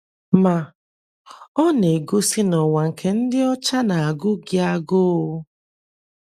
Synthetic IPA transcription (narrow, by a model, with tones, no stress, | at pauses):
ma˨ | ɔ˦ne˨ɡo˦si˦nɔ˨wa˨ŋ̩˨kʰe˨n̩˦dɪ˦ɔ˦t͡ʃa˦na˨a˨ɡʊ˦ɡɪ˦a˦ɡo˦˨˦